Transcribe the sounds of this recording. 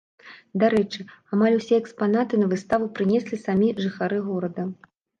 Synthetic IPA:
d̪aɾɛt͡ʂɨamalʲusʲɛɛkspanat̪ɨnɐvɨst̪avupɾɨnʲɛsʲlʲisamʲiʐɨxaɾɨɣɔɾɐd̪ɐ

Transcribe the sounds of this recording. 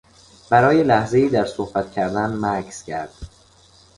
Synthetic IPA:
b̥æɾɒːje̞læhze̞iːd̪æɾsohbæt̪cʰæɾd̪ænmækʰscʰæɾd̪̥

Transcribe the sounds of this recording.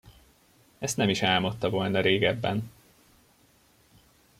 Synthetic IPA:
ɛst̪nɛmiʃɛlmot̪ːɒvo̞lnɒɾeːɡɛbːɛn

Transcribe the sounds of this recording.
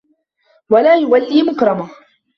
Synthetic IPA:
walaːjʊwalːiːmʊkɾˤɑma

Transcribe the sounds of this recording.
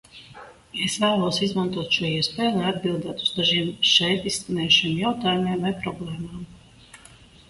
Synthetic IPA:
esvæːlˠuɔsizmant̪uɔt̪ʃuɔiɛspɛːjlˠajad̪bilˠd̪aːt̪uz̥d̪aʒiɛmʃɛjt̪iskanɛːjʃiːmjawt̪aːjumiɛmvajpɾɔblˠɛjmaːm

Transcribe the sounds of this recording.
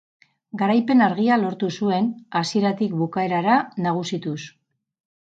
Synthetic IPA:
ɡaɾajpe̞naɾɣialo̞ɾt̪usue̞nasie̞ɾat̪ikbukae̞ɾaɾanaɣ̞usit̪us

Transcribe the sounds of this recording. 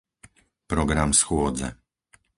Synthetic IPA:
pɾɔɡɾamsxwɔd̪zɛ̰

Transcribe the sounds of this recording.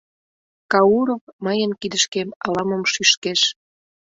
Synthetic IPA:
kɑuɾofməjənkid̪əʃkemɑlɑmomʃyʃkeʃ

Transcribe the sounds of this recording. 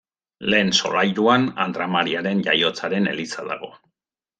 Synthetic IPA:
le̞ːnso̞̰lajɾuana̰nd̪ɾamaɾiaɾe̞nʝajo̞t͡saɾe̞ne̞̰lit͡saða̰ɣ̞o̞

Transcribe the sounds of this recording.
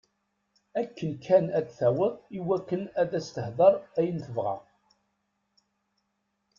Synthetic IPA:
ækːənkʰænæd̪θæwəðˤiwækːənæðæst̪əhðˤɑɾˤæjənθəvʁæ̰

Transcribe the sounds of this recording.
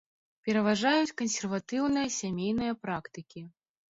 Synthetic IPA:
pʲɛɾɐvaʐajut͡sʲkɐnsʲɛrvat̪ɨwnɨjɐsʲamʲejn̪ɨjɐpɾakt̪ɨkʲi

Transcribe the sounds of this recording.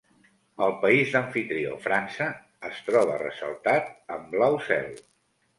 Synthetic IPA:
əlˠpəizd̪əɱfit̪ɾio̰fɾansəː | st̪ɾɔβ̞ə̰rə̰sə̰lˠt̪at̪̚əmblawsɛ̰lˠ

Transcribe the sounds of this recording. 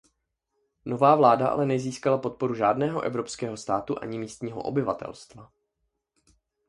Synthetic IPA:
no̞vaːvlaːdaʔa̰lɛnɛziːskalapo̞t̪̚po̞ɾuʒaːdnɛːɦo̞ʔɛvɾo̞pskɛːɦo̞st̪aːt̪uʔa̰ɲɪmiːst̪ɲiːɦo̰ʔo̰bɪva̰t̪ɛ̰lst̪va

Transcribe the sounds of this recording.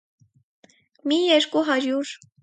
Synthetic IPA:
mijɛɾkuɦɑɾuɾ

